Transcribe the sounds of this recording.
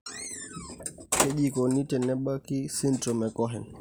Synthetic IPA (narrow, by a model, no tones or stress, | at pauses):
heʄikɔnitɛnɛɓakisintɔmɛkɔɦɛn